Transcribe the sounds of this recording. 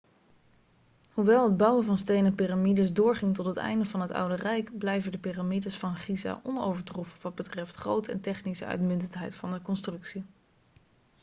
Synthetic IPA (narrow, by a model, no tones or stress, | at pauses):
huʋɛlˠɦəd̚bʌwəvɑnstejnəpiramidəsdʊːɹχɪŋtɔtɦətɛ̰jndəvɑnɦətʌ̰wdərɛjkblɛjvədəpiramidəsfɑnχiza̰ʔɔnowvəɹtrufəʋɑd̚bətrɛftχrowtəɛ̰ntɛχnisə̰œ̰ɥtmʏntəntɦɛ̰jtfɑndəkɔnstrɵksi